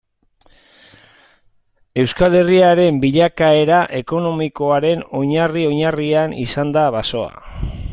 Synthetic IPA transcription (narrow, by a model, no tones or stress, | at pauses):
e̞wskale̞riaɾe̞mbiʎakae̞ɾaʔe̞ko̞no̞miko̞aɾe̞no̞ɲario̞ɲarianḭsand̪aβaso̞a̰